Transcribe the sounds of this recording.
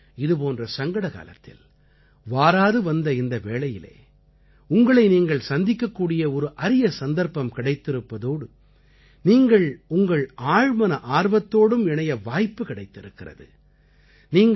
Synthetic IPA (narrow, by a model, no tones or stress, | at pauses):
ɪðɯpoːndrɐsɐŋɡɐɽɐka̰ːlɐ̰t̪ːɪ̰l | ʋaːɾaːðɯʋɐnd̪ɐɪnd̪ɐʋeːɭɐjɪlḛː | ʊŋɡɐɭɐɪniːŋɡɐɭsɐnd̪ɪkːɐkːuːɽɪjɐɔɾɯʔɐɾɪjɐsɐnd̪ɐɾpɐmkɪɽɐɪt̪ːɪɾɯpːɐðoːɽɯ | niːŋɡɐɭʊŋɡɐɭaːɻmɐnɐʔaːrʋɐt̪ːoːɽɯmɛɳɐjɐʋaːjpːɯkɪɽɐɪt̪ːɪɾɯkːɪrɐ̰ðɯ̰ | niːŋɡ